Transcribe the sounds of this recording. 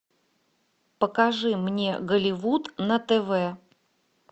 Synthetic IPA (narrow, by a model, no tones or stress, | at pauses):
pəkɐʐɨmnʲḛɡəlʲɪvut̪nət̪ɛvɛ